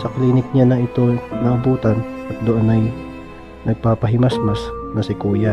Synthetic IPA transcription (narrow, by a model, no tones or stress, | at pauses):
sɐkliːnɪk̚ɲanɐɪt̪o̞nɐʔɐbuːt̪ɐnɐt̪̚d̪oʔonɐj | nɐɡ̚paːpɐɦɪmɐsmɐsnɐsɪkuːja